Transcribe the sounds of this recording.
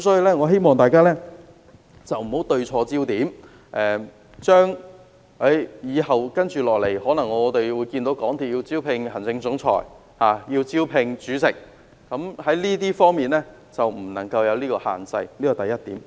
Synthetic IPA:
kɐ˧˥msɔː˨˥jiː˧lɛː˥ŋɔ˨˧ɦe˥jmɔː˨˩ŋt̪aː˨jkaː˥lɛː˥ | t͡sɐ˨wm̩˨˩ho˨˥wt̪ɵ˧ɥt͡sʰɔː˧t͡siː˥wt̪iː˨˥m | ʔɛː˨ | t͡ʃœː˥ŋ | e˨˥jjiː˨˧ɦɐ˨wkɐ˥nt͡ʃyː˨˩lɔː˨k̚le˨˩jhɔː˨˥nɐ˨˩ŋːɔː˨˧t̪e˨jwu˨˧jki˧nt̪o˨˥wkɔː˨˥ŋt̪ʰiː˨t̚jiː˧wt͡siː˥wpʰɪ˧ŋhɐ˨˩nt͡sɪ˧ŋt͡sʊ˨˥ŋt͡sʰɔ̰ː˨˩j | haː˨˩jiː˧wt͡siː˥wpʰɪ˧ŋt͡ʃyː˨˥sɪ˨˩k̚ː | ɐ˨˥mhɐ˨˥jliː˥t̪iː˥fɔː˥ŋmiː˨˩nlɛː˥ | t͡sɐ˨wm̩˨˩nɐ˨˩ŋkɐ˧wjɐ˨˧wliː˥kɔː˧ha̰ː˨nt͡sɐ˧jliː˥kɔ˨˧t̪ɐ˨jːɐ˥t̚t̪iː˨˥m

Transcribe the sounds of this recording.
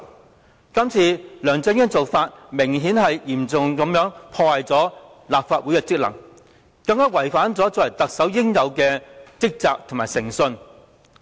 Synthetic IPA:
kɐ˥mt͡sʰiː˨˧lœː˨ŋt͡sœː˨˥ŋjɛː˥t͡so˨wfaː˧t̚mɪ˨˩ŋɦiː˨˥nhɐ˨jjiː˨˩mt͡sʊ˨ŋkɐ˨˥mjœː˨˥ŋpʰɔː˧hɐ˨jt͡sɔː˨˥ | laː˨p̚faː˧t̚wu˨˥jɛː˧t͡sɪ˥k̚lɐ̰˨˩ŋ | kɐ˧ŋkaː˥wɐ˨˩jfaː˨˥nt͡sɔː˨˥t͡sɔ˨˥wɐ˨˩jt̪ɐ˨k̚sɐ˨˥wjɪ˥ŋjɐ˨˧wkɛː˧t͡sɪ˥k̚t͡saː˧k̚t̪ʰmaː˨˩sɪ˨˩ŋsɵ˧n

